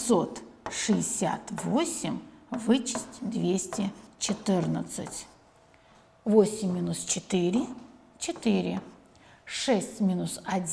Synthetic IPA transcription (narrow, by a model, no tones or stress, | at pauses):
so̞t̪ʂɨɪsʲa̰t̪vosʲɪmʲvɨt͡ɕɪ̥sʲtʲd̪vʲesʲtʲɪt͡ɕɪt̪ɨrnət̪sɨ̰tʲ | vosʲɪmʲːinust͡ɕɪt̪ɨɾʲɪ | t͡ɕɪt̪ɨɾʲɪ | ʂɛsʲtʲmʲinusɐdʲ